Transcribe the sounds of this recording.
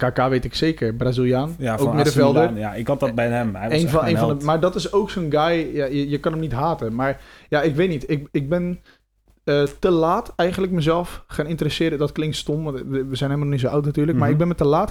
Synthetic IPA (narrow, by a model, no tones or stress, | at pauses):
kaːkaʋeːtɪkseːkərbrazilˠjaːnoːmɪdəfɛlˠdəjaɪkɔtɔbɛjɛmeːnfeːnfɔndəmaːɹdɔtɪsowksonɡajjajəjəkɑnəmnitɦaːtəmaɹjaɪkʋeːtnitɪkɪk̚bɪn | ətəlaːtɛjɣəndləkməzɛlˠfχanɪntərəsɪəɾdədɔtklɪŋktstomʋəzɛjnhemənnis̬oʔawtnatyːrləkmaːɹɪɡ̚bɪnmətəlaːt